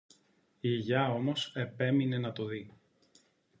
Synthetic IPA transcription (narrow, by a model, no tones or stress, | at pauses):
iiʝɐo̞mo̞se̞pe̞mine̞nɐt̪o̞ði